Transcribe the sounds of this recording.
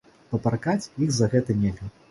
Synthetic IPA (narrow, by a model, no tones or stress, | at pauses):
pɐparkat͡sʲjiɣzɐɣɛt̪ɐnʲelʲɣɐ